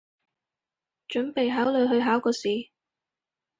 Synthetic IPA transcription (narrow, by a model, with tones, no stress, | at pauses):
t͡ʃɵ˨˥npe˨jɦaː˨˥wlɵ˨˧jɦɵ˧ɥɦaː˨˥wkɔː˧siː˨